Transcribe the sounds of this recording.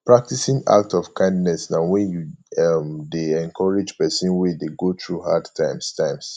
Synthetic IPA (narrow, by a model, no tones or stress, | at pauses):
pɹak̚tisĩŋa̰k̚tɔfkʰãɪ̃ndnɛsnãwɛ̃juamdeɛ̃ŋkʰɔɹid͡ʒpɛsĩnwɛdeɡot̪ɹuɦadtʰãɪ̃mstʰãɪ̃ms